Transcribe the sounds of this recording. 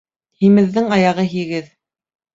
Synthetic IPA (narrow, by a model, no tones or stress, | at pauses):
himɘ̆ðːɘŋɑjɑʁɤɦiɡɘð